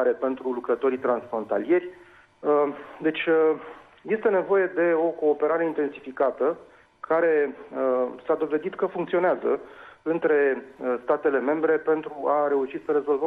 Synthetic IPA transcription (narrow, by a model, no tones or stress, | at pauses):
aɾe̞pe̞nt̪ɾulukɾət̪o̞ɾit̪ɾansfɾo̞nt̪a̰lije̞rʲ | d̪e̞t͡ʃʲ | je̞st̪e̞ne̞vo̞je̞d̪e̞o̞ko̞ːpe̞ɾaɾe̞int̪e̞nsifikat̪ə | kʰaɾe̞ | sad̪o̞ve̞d̪it̪kəfuŋkt̪sio̞neazəɨnt̪ɾe̞st̪at̪e̞le̞me̞mbɾe̞pe̞nt̪ɾuʔaɾe̞uʃit̪səɾe̞zo̞lvə